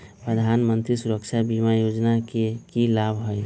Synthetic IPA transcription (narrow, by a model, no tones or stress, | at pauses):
pɾəd̪ʱanmənt̪ɾisuɾəkt͡ʃʰabimajod͡ʒnakekilabʱɦoj